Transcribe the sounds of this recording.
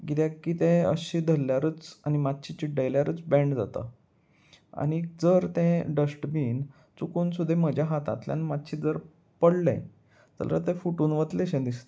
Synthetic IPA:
ɡit̪jakːit̪ẽə̰ɕid̪ʱəlːjaɾət͡sanimat̪̚ɕit͡ɕiɖəjljaɾəːt͡sbɛ̃ɳɖd͡za̰t̪ə̰ | a̰ñid͡zəɾt̪ẽɖəsʈbiːn | t͡sukuːnsud̪ʱeməd͡ʑʱjaɦat̪a̰t̪lja̰nimat̪ɕid͡zəɾ | pəɽlḛ̃ | t̪ə̰lət̪ẽfuʈuːnʋət̪leɕẽd̪ist̪e

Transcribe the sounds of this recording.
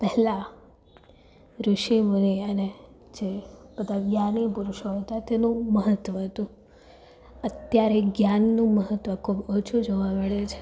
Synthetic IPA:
pɛɦla | ɾuʃimuniəne | d͡ʒepət̪aʋjanipuɾuʃoɦət̪at̪enũməɦət̪ʋəɦət̪ũ | ət̪jaɾeɡjanːũməɦət̪ʋəkʰubot͡ʃʰud͡ʒoʋaməɭet͡ʃʰe̥

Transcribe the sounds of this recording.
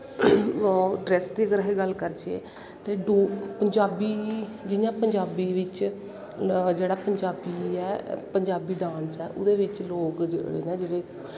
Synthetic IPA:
ɖɾɛːsd̪iːəɡɾəɦeːɡəlkəɾd͡ʒḛː | t̪eːɖoːpəɲd͡ʒaːbiːd͡ʒɪjãːpəɲd͡ʒaːbiːʋɪt͡ʃ | d͡ʒeːɽaːpəɲd͡ʒaːbiːɛːpəɲd͡ʒaːbiːɖãːnsɛːʔʊd̪eːʋɪt͡ʃloːkd͡ʒɽḛːnẽːd͡ʒɪɽeː

